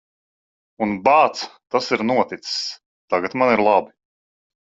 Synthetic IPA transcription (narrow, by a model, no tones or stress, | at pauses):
unbaːt̪st̪asiɾnuɔt̪it̪ss | t̪aɡat̪maniɾlˠabi